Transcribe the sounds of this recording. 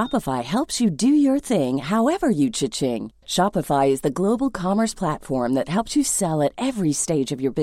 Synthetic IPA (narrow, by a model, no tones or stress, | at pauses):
ɑpəfaɪɦɛlˠpsjɨdɨjə˞θɪ̃ŋɦaʊɛvə˞jɨt͡ʃʰɪt͡ʃɪ̃ŋ | ʃɑpɨfaɪɨzðɨɡloʊbl̩ˠkʰɑmə˞spʰl̥ætfɔɹmðɨt̚hɛlˠpsjɨsɛlˠɨɾɛvɹisteɪd͡ʒʌvjə˞bɪ